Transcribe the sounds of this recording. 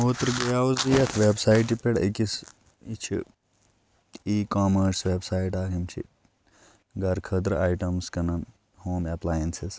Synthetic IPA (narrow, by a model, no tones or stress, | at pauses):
ɦoːt̪ɾɡɐjaːuzijɐt̪ʰʋeːbsaːjʈipeɽḛkis | it͡ʃʰḭ | iːkaːmɐɾsʋeːbsaːiʈaːkʰimt͡ʃʰḭ | ɡɐɾkʰɐd̪ɾaːjʈɐmskɐnɐn | hoːmeplaːjensis